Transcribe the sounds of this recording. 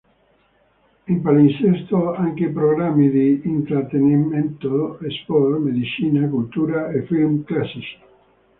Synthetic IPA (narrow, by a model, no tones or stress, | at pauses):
impalinsɛst̪oaŋkepɾoɡɾamːid̪iːnt̪ɾat̪ːeniment̪oespɔɾmed̪it͡ʃiːnakult̪uːɾaefilmklasiso̥